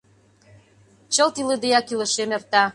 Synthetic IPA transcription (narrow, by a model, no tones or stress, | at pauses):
t͡ɕə̆lt̪iləd̪ejɑkilə̆ʃemert̪ɑ